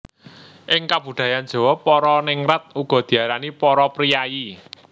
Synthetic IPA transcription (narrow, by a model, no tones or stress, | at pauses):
ʔɪŋkab̥ṳd̪̥a̤jand̥d͡ʒ̥ɔ̤wɔpːɔɾɔnɪŋɾat̪̚uɡ̥ɔ̤d̪̥i̤aɾanipɔɾɔpɾijaji